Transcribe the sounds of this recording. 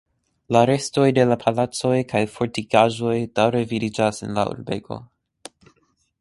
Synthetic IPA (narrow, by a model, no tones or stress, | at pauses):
laɾe̞sto̞jde̞lapʰalat͡so̞jkʰajfoɾtikaʒo̞jd̥awɾevidid͡ʒasḛnla̰ṵɾbeko̞̰